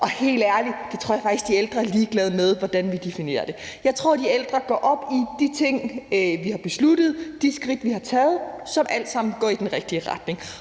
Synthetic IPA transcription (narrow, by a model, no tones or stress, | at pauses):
ʔɒ̽he̝̰ːld̥æɐli̥d̥e̝t͡sʰo̝ɐ̰jɑ̈fɑ̈ɡ̥isɡ̥d̥ield̥ʁɐæɐliːɡ̥lɛːð̞̩ˠmeð̞ˠʋɒd̥ænʋid̥e̝fine̝̰ːɐd̥e̝ | jɑ̈ɪt͡sʰʁo̝ɐ̰d̥ield̥ʁɐɡ̥ɒ̰ːʔɒ̽b̥id̥it͡sʰe̝ŋ̰ʋihɑ̈b̥e̝sluɾ̥əð̩ˠd̥isɡ̥ʁid̥ʋihɑ̈t͡sʰɛːð̞̩ˠsɒ̽mʔæl̰d̥sɑ̈m̰n̩ɡɒ̰ːid̥enʁɛɡ̥̚d̥iəʁɑ̈d̥ne̝ŋ